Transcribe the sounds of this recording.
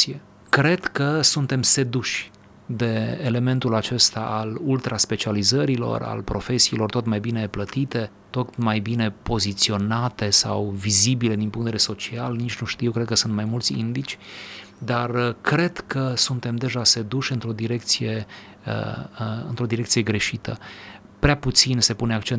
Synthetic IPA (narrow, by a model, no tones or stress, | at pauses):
ie | kɾe̞d̪kəsunt̪e̞mse̞d̪uʃʲ | d̪e̞ːle̞me̞nt̪ulat͡ʃe̞st̪aʔːlult̪ɾaspe̞t͡ʃializəɾilo̞̰ra̰lpɾo̞fe̞siːlo̞rt̪o̞t̪majbine̞plət̪it̪e̞ | t̪o̞t̪majbine̞po̞zit̪sio̞nat̪e̞sawvizibile̞d̪inpuŋkt̪eveeso̞t͡ʃialnit͡ʃʲnuʃt̪ijewkɾekəsunt̪majmult̪sʲḭnd̪it͡ʃʲ | d̪arkɾe̞d̪̥kʰəsunt̪e̞md̪e̞ʒase̞d̪uʃʲɨnt̪ɾo̞d̪iɾe̞kt̪sije̞ | ə̰ɨ̰nt̪ɾo̞d̪iɾe̞k̚t̪sije̞ɡɾe̞ʃit̪ə | pɾeaput̪sinse̞puneakt͡ʃen